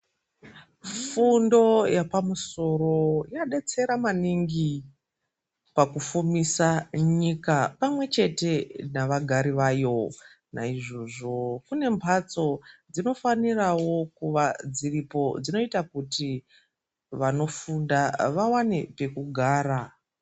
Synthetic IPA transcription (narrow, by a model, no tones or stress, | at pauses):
fundo̞japamuso̞ro̞jaɗe̞t͡se̞ɾamaniŋɡi | pakufumisaɲikapamwe̞t͡ʃe̞te̞naʋaɡʱaɾiʋajo̞ | na̰iʐo̞ʐo̞kune̞mpʰat͡so̞d͡zino̞fanirawo̞kuʋad͡ziripo̞d͡zino̞itakuti | ʋano̞fundaʋawanepe̞kuɡʱaːɾa